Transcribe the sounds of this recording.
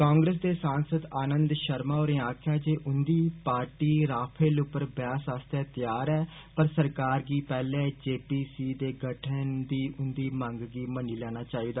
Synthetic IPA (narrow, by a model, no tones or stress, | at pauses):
kaːŋɡɾeːs̬d̪eːsãːnsəd̪aːnə̃nd̪ʃəɾmaːoːɾẽːaːkʰjaːd͡ʒeːʔʊnd̪iːpaːɾʈiːɾaːpʰeːlʊpːəɾbjaːsaːst̪ɛːt̪ɪjaːɾɛː | pəɾsəɾkaːɾɡiːpɛːlẽːd͡ʒeːpiːsiːd̪eːɡəʈʰənd̪iːʔʊnd̪iːmə̃ŋɡɡiːməniːlɛːnaːt͡ʃaːiːd̪aː